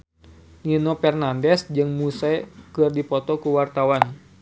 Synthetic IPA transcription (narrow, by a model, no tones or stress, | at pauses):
ninɔpɛrnandɛsd͡ʒɨŋmusakɨrdipɔt̪ɔkuwart̪awan